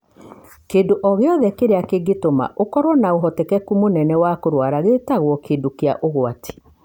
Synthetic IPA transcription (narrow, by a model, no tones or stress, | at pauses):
keːndoʔɔɣeɔðɛkeɾeakeɡetoma̰ʔokɔɾwɔnaoɦɔtɛkɛkumonɛnɛwakoɾwaɾaɣetaɣwɔkeːndokeaʔoɣwatʰe̥